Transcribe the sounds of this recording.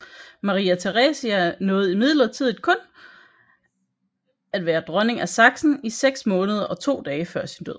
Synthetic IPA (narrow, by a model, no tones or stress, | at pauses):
mɑ̈ʁiːæt͡sʰeʁɛːsiænɔ̽ːð̩ˠimið̞ˠlɐt͡sʰiðˠid̥̚kʰɔ̽n | æd̥ʋæːɐd̥ʁɶne̝ŋæsɑ̈ɡ̥sn̩iseɡ̥smɔ̽ːnəð̞ˠɐʔɒ̽t͡sʰo̝̰ːd̥ɛːɪəfɶɐ̰sind̥øð̰